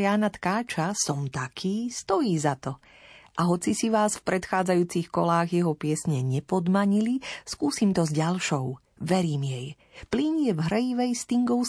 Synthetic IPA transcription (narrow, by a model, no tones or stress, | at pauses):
jaːnat̪kaːt͡ʃasɔmt̪akʰiːst̪ɔjiːzat̪ɔ | ʔaɦɔt͡sisiʋaːsfpɾɛt̪xaːd͡zajuːt͡sixkɔlaːɣjɛɦɔpɪɛsɲɛɲɛpɔd̪maɲiliskuːsimt̪ɔzɟalʃɔʊ | ʋɛɾiːmjɛj | pliɲjɛvɦɾɛjiʋɛjst̪iŋɡɔʊ